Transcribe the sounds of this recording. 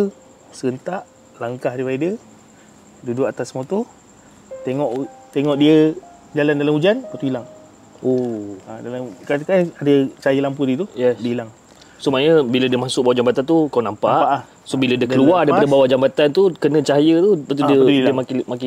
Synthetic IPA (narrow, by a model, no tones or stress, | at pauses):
səɡənt̪aʔ | laŋkahaɾiwaidiə | dudʊkat̪asmot̪ɔ | t̪eŋɔʔt̪eŋɔʔdiə | d͡ʒalandalamud͡ʒanpat̪uilaŋ | oadalamkat̪kaadət͡ʃaajəlampudiət̪ujɛdəilaŋ | somaɲəbilədiəmãsʊʔbawad͡ʒambat̪ant̪ukawnampaʔaʔa | sobilədiəkəluadajpadəbawad͡ʒambat̪ant̪ukənə̃t͡ʃaɦajət̪upət̪̬udəəmakmaki